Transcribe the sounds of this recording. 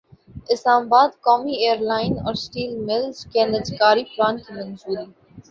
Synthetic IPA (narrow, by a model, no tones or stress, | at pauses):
ɪslaːmabaːd̪kɔːmieːəɾlaːɪnɔ̰ːɾsʈiːlmɪld͡ʒkenəd͡ʒkaːɾifɾãːnk̪imɐ̃nzuːɾi